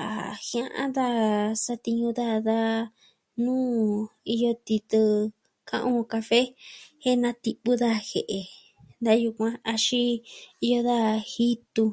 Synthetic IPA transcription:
a̰˨hj̃ã˧ʔã̰˦d̪a˦˧sa˧t̪i˧ɲũ˧ða˦˧ða˦ | nũː˦i˧jo˧t̪i˧t̪ɨ˧ | kã˦˧ʔõ˧ka˧fe˦he˦nã˧t̪i˧pu˦ða˦˧he˨ʔe˨ | nd̪a˦ju˧kʷã˧a˧ʃĩ˦i˧jo˧ða˦˧hi˦t̪u˧

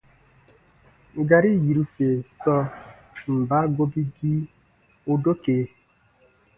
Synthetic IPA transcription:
ɡa˨ɾi˦˨ji˨ɾu˦fe˨sɔ˦ | m̩˨ba˦ɡo˦bi˦di˦ | o˦do˦ke˨˦

